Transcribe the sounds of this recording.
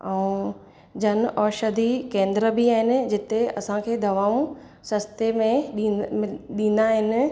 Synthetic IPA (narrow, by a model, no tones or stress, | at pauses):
ɛũ | d͡ʑɐnɔːʃəd̪ikẽːnd̪ɾəbiaːɦɪnɪ̆d͡ʑɪt̪eɐ̰sãkʰeːd̪ɐʋaːũ | sɐst̪emẽɗ | ɗĩːnd̪aːɦɪnɪ̆